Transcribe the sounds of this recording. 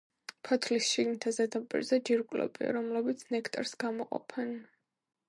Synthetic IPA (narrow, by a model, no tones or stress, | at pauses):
pʰɔt̪ʰlisʃiɡnit̪ʰazɛd̪apʼḭɾzɛd͡ʒiɾkʼlɛ̰bḭa̰ɾɔmlɛbit̪sʰnɛkʰt̪ʼɾsɡ̥amɔqʼɔ̰pʰɛn